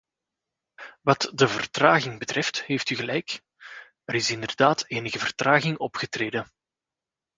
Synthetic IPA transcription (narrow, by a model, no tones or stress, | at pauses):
ʋɑtdəvərtraːɣɪŋbətrɛftheːftyɣəlɛjk | əɾɪsɪndərdaːtʰeːnəɣəvərtraːɣɪŋɔpxətreːdən